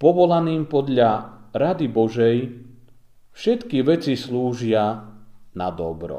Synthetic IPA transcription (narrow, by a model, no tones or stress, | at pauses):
pɔʋɔlaniːmpɔd̪ʎaɾad̪ibɔʒɛj | fʃɛt̪kiʋɛt͡sisluːʒɪanad̪ɔbɾɔ̰